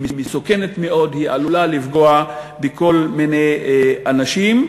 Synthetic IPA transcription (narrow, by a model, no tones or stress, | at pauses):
mimisoke̞netmeʔo̞dhiʔalulalifɡoabeko̞lminejanaʃim